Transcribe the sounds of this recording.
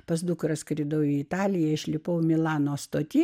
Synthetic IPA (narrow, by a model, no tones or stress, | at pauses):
pɐsd̪ʊkɾɐskɾʲɪd̪ɐʊiɪt̪ɑːlʲɪjɛɪʃʲlʲɪpɐʊmʲɪlˠɑːnoːst̪oːt̪ʲi